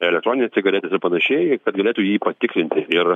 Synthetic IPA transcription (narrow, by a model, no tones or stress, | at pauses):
ɛlʲɛkt̪ɾoːnʲɪnʲɛsʲt͡sʲɪɡɐlʲɛːt̪ʲesɪɾpɐnɐʃʲɛɪkɐt̪ɡɐlʲeːt̪uːjiːpɐt̪ʲɪklʲɪnʲt̪ʲɪɪr